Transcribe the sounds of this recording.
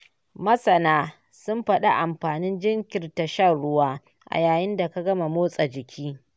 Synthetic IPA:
mɐ˦sɐ˨naː˦ | sʊ˦mɸɐ˦ɗa˦ʔa˨mɸaː˨nɪ˦nd͡ʒɪ˦ŋkʲɪ˨rta˨ʃɐ˦˨ɽʊ˦waː˦ | ʔa̰˨jaː˨jɪ˦nda˨ka˦ɡɐ˦ma˨moː˦sʼa˨d͡ʒɪ˨kʲʰiː˦

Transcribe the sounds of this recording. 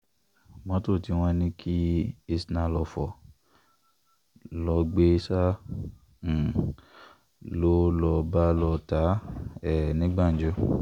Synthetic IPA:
mɔ̃˦to˦˨ti˨˧w̃ɔ̃˧˦nĩ˦kʰi˦e˧snã˧lɔ˧fɔ˨ | lɔ˧ɡ͡be˦sã˦˨ | lo˦lɔ˧ba˦lɔ˧ta˨˦ɛ˦˨nĩ˨˦ɡ͡ba˦˨n̩˨d͡ʒɔ˧˦

